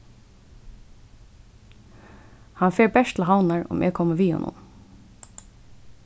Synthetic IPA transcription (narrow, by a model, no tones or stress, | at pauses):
hanfɛːɹbɛʂt̪ʰl̩ɦawnaɹʊ̰mʔɛ̰kʰɔməʋiːhɔ̰nʊ̰n